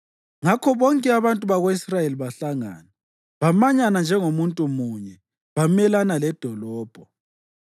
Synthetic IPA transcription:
ŋakʰɔβɔŋkʼɛaβantʼuβaɣoisrajeliβaɬaŋa̰ːna | βamaɲanand͡ʒʱɛŋomuntʼumuːɲɛ | βamɛlanalɛd̥ʱɔlɔːb̥ʱɔ

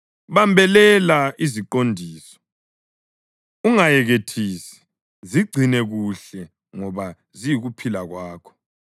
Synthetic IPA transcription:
βambʱɛlɛlaiziǃondʱiːsɔ̥ | uŋajɛɣetʰiːsi̥ | ziɡ͡ǀʱinɛɣuɬɛ | ŋɔβa | zijiɣupʰilaɣwaːkʰɔ̥

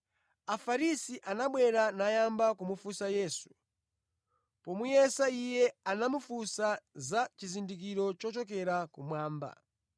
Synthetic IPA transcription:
afaɾisiʔanaɓwɛɾanajambakumufusajɛːsu̥ | pɔmujɛsaijɛanamufusazat͡ʃizindik̬iɾɔt͡ʃɔt͡ʃɔk̬ɛɾakumwaːmba̰

